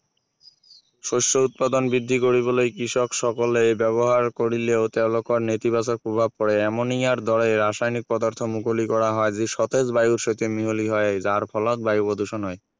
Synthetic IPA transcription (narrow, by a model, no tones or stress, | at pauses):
ʃoʃt͡ɕout̪̚pad̪onbɾid̪ʱːikoɾibolejkɾiʃokʃɔkolebɛβoɦaɾkoɾileot̪ɛlokoɾnet̪ibasaɾpɾobʱab̚pɔɾeɛmoniaɾd̪ɔleɾaʃajnik̚pɔd̪aɾt̪ʰomukʰolikɔɾaɦɔed͡ʑiʃɔt̪ed͡ʑbajuɾʃot̪emiɦoliɦɔed͡ʑaɾpʰɔlat̪̚bajupod̪ʱuʃɔnɔe